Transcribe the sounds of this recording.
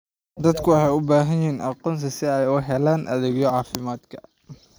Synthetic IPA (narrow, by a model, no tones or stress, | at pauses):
d̪ɐd̪kʰʊwɑħɑːʊbaːɦɐjɪiːnʔɑqɔːnsɐsɪɛjʊɦɛlaːnʔɐ̰ðɪɡjɔʕɑːfɪmaːd̪kʰɐ̥